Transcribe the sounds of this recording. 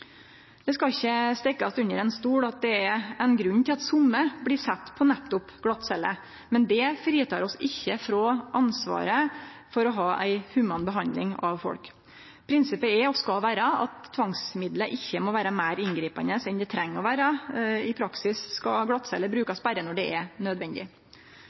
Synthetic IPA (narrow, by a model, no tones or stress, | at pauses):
d̪̥ɛskɑɪçːəst̪ɛkːɑst̪ʉnːəɾɛnst̪uːɽɑt̪̚d̪ɛɛɾɛnɡɾʉnːt̪ʰɪlɑt̪sʊmːəblɪsɛt̪ːpʰɔnɛt̪ːʊpɡlɑt̪sɛlːə̰ | mɛnd̪ɛfɾiːt̪ʰɑːɾɔsɪçːəfɾɔʔɑnsʋɑ̰ːɾəfɔɾɔɦɑːʔæ̰ɪhʉmɑnbəɦɑnd̪lɪ̰ŋɑʋfɔ̰lk | pʰɾɪnsɪpəɛɾɔskɑlʋæːɾəɑ̰t̪ʰːʋɑŋsmɪd̪ləʔɪçːəmoʋæːɾɑmæɪɾɪnɡɾiːpɑ̰nəsɛnd̪ɛt̪ʰɾɛŋːɔʋæːɾɑɪpʰɾɑksɪsskɑɡlɑt̪ːsɛ̰lːəbɾʉːkɑsbæɾənɔɖɛɛnœd̪ʋɛnd̪ɪ̰